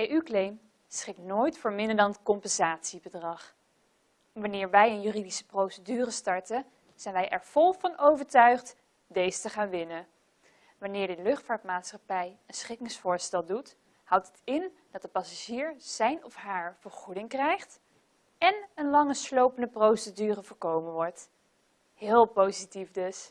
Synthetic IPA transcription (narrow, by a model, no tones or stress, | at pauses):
ejʔyklejm | sχɪk̚noːjtfʊːɹmɪndəɹdɑnətkɔmpɛnzaːtsibədrɑχ | ʋɑnɪːɹʋɛjənjyridisə̥prowsədyːrəstɑɹtə | z̥ɛjnʋɛjʔɛɹv̥ɔlˠvɑnowvəɹtœɥχt | dejzətəχaːnʋɪnə | ʋɑnɪːɹdɪlɵχtfaːɹtmaːtsχɑpɛjənsχɪkɪŋsfʊːɹstɛlˠdut | hʌwtɦətɪnd̥ɑt̚dəpɑsaʒiːɹz̥ɛjnɔfɦaːɹv̥əɹχudɪŋkrɛjχt | ɛnənlɑŋəslowpəndəprowsədyːrəvʊːɹkowmənʋɔɹt | ɦɪːlˠpowzitifdɵs